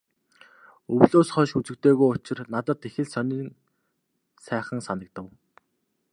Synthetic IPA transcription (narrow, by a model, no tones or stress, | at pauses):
ɵwɮoːsχœːʃut͡sɘ̆kt̪eːɣojʊt͡ɕɪ̆rnat̪ə̆t̪ːexɘ̆ɮsœniŋ | sæːχə̆ŋsanə̆k̚t̪ə̆w